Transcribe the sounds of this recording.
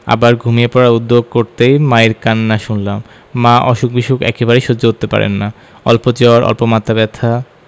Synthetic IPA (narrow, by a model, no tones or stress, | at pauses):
a̰baɾɡʱumijepɔɾaɾud̪ːoɡ̚koɾt̪ejmaeɾkanːaʃunlamː | ãʔɔʃuk̚biʃukɛ̰kebaɾejʃod͡ʑoɦot̪ːepa̰ɾḛnːa | ɔ̰lpot͡ɕɔɾʔɔ̰lpomat̪ːabɛt̪ʰa